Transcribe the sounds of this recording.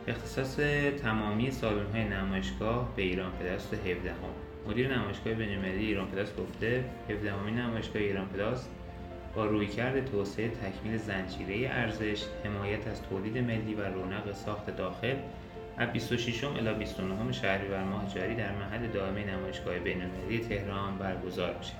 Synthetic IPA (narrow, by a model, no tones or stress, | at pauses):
ʔe̞xt̪ʰe̞̥sɒːse̞t̪ʰæmɒːmiːje̞sɒːlonɦɒːje̞næmɒːje̞ʃɡ̥ɒːhbe̞iːɾɒːnpʰe̞d̪ɒːst̪eɦe̞fd̪æho̞̰mːod̪iːɾe̞næmɒːje̞ʃɡɒːhe̞be̞jnolmelælijeiːɾɒːnpʰe̞d̪ɒːsɡ̥o̞ft̪e̞he̞fd̪æho̞minnæmɒːje̞ʃɡ̥ɒːheiːɾɒːnpʰe̞d̪ɒːs | b̥ɒːɾuːjcʰæɾd̪e̞t̪ʰoːseet̪ʰæcʰmiːle̞zænd͡ʒiːɾe̞je̞ʔæɾze̞ʃhe̞mɒːjæt̪ʰæzt̪ʰoːliːd̪e̞me̞lːiːværoːnæɣe̞sɒːxt̪ʰe̞d̪ɒːxe̞l | æbist̪o̞ʃiʃo̞mʔḛlɒːbist̪o̞noɦome̞ʃæhɾiːvæɾmɒːhed͡ʒɒːɾiːd̪æɾmæɦælːe̞d̪ɒːe̞mejenæmɒːjeʃɡ̥ɒːhebe̞jnolmelælije̞t̪ʰe̞hɾɒːnbæɾɡo̞zɒ̰ːɾmiʃe